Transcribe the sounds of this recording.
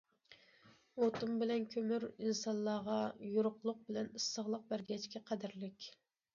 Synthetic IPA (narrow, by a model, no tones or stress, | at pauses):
ot̪umbɪlɛnkʲʰømyɾinsɑnlˠɑːʁɑjuɾʊqlˠʊq̚bɪlɛnɨsːəʁlˠəq̚bæɾɡʲɛt͡ʃkʲɛqʰæd̪ɪɾlɪkʲ